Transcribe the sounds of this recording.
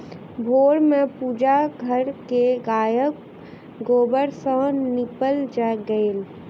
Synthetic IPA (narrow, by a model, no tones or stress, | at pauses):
bʱoːɽmẽpuːd͡ʒaɡʱəɾkeɡaːjək | ɡoːbəɾsə̃nɪpəld͡ʒɛɡəel